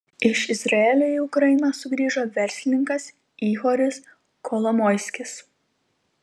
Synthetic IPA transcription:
ɪʃɪzɾɐeːlʲoiʊkɾɐjɪnɐsʊɡɾʲiːʒoːʋʲɛɾʲsʲlʲɪnʲɪŋkɐs | iːxoːɾʲɪs | kʰolˠɔmɔɪsʲkʲɪs

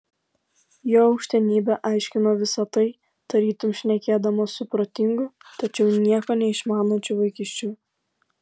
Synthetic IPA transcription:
joːɔʊkʃʲt̪ʲɛnʲiːbʲɛʔɑˑɪʃʲkʲɪnoːʋʲɪsɐt̪ɐɪ | d̪̥ɐɾʲiːt̪ʊmʃʲnʲɛkʲeːd̪ɐmoːsʊpɾot̪ʲɪŋɡʊt̪ɐt͡ʃʲɛʊnʲiɛkoːnʲɛɪʃmɑːnoːt͡ʃʲʊʋɐɪkʲɪʃʲt͡ʃʲuː

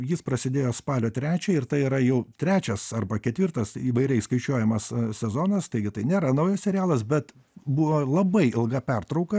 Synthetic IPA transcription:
jɪspɾɐsʲɪd̪ʲeːjoːspɑːlʲoːt̪ʲɾʲæːt͡ʃʲɛɪɪɾt̪ɐɪiːɾɐjɛʊt̪ʲɾʲæːt͡ʃʲɛsɐrbɐkʲɛt̪ʲʋʲɪrt̪ɐsiːʋɐɪɾʲɛɪskɐɪt͡ʃʲuɔjɛmɐssʲɛzoːnɐst̪ɐɪɡʲɪt̪ɐɪnʲeːɾɐnɐʊjɛssʲɛɾʲɪjæːlˠɐsbʲɛt̪ | buʋoːlˠɐbɐɪɪlˠɡɐpʲɛrt̪ɾɒʊkɐ

